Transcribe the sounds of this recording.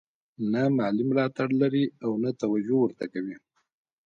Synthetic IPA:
namaalimlɑt̪aɽlaɾiawnat̪awad͡ʒowəɾt̪akawi

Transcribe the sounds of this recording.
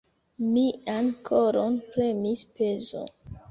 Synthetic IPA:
miankʰoɾonpɾemispezo̰

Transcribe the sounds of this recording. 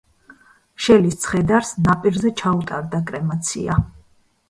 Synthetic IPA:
ʃɛlist̪sʰχɛd̪aɾsnapʼiɾzɛt͡ʃʰaut̪ʼaɾd̪akʼɾɛmat̪sʰḭa

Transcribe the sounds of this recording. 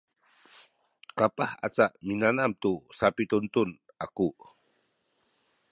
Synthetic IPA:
kapaha̰t͡saʔminanamt̪usapit̪unt̪un | aku

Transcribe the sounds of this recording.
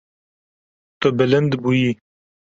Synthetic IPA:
t̪obɪlənd̪buji

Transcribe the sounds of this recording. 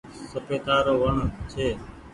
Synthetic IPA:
səpeːt̪aːɾoːʋəɳt͡ʃʰeː

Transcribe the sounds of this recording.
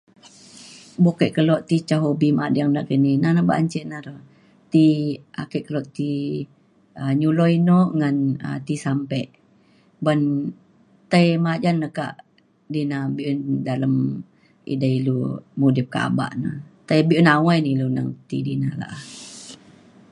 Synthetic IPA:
bokɛʔkəlɔʔt̪it͡ʃaɦobimad͡ʒaŋnaʔkəninanaba̰ɲt͡ʃiʔnaɾo | t̪iʔa̰kɛʔkəlɔʔt̪i | əɲulɔinɔʔŋanə̰t̪isampɛʔ | bən | t̪ajmad͡ʒanːəka̰ʔ | dinabiʔundaləm | ḭdailumudip̚ka̰ba̰ʔna̰t̪ajbiʔunawajnilunaŋt̪idinala̰ʔah

